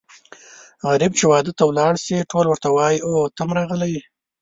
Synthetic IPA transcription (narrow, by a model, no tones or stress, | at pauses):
ɣaɾib̚t͡ʃewɑd̪ət̪awlɑɽsiʈʰolwəɾt̪awɑjiot̪amɾɑʁəlaj